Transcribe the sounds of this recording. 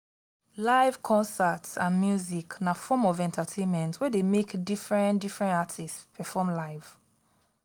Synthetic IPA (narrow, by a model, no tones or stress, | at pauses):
laɪv̥kʰɔ̃nsatsãnmjuziknafɔmɔvɛ̃ntatʰẽnmɛ̃ntwɛdemekdifɹɛ̃ndifɹɛ̃ntatʰistpʰɛfɔmlaɪv̥